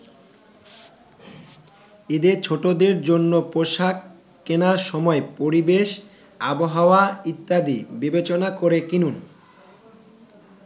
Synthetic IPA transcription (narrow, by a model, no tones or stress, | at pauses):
ed̪et͡ɕʰoʈod̪eɾd͡ʑonːopoʃak | kːenaɾʃɔmɔepoɾibeʃ | aboɦaoait̪ːad̪ibibet͡ɕonakoɾekinun